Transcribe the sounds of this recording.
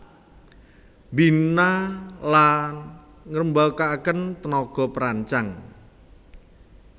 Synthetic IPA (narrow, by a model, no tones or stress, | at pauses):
mbinalan | ŋɾəmbakakənt̪ənɔɡ̥ɔ̤pəɾaɲt͡ʃaŋ